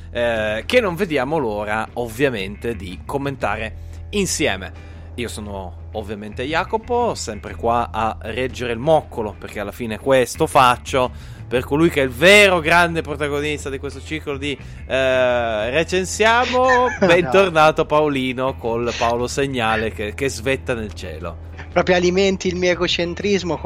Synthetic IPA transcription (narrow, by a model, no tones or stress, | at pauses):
ɛkenːoɱved̪jaːmoloːɾaovːjament̪ed̪ikomːent̪a̰ːɾe | insjɛːme | iːosoːnoː | vːjament̪eajaːkoposɛmpɾekwaarɛd͡ʒːeɾeilmɔkʰːoloperk̟ealːafiːnekwest̪ofat͡ʃːo | perkolujk̟ɛilveːɾoɡɾand̪epɾot̪aɡonist̪ad̪ikwest̪ot͡ʃikolod̪i | ret͡ʃensjaːmobɛnt̪ornaːt̪oapaoliːnokolpaoloseɲːaːlekekezvet̪ːanelt͡ʃɛ̰ːlo̰ | pɾɔːpɾjoaliment̪ilmiːoeɡot͡ʃent̪ɾizmo